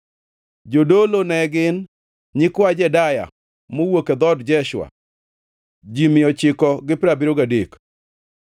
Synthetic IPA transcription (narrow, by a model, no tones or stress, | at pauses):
d͡ʒodolonɛɡɪn | ɲɪkwad͡ʒɛdaja̰ | mowoked̪ɔdd͡ʒɛʃwa̰ | d͡ʒimɪjɔt͡ʃɪkɔɡɪpɪɾabiɾoɡadek